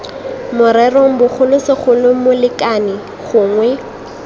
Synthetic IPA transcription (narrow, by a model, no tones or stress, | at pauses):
mʊɾɛrɔŋ̩bʊχʊlʊsɪχʰʊlʊmʊlɪkanɪ | ɣʊːŋwɛ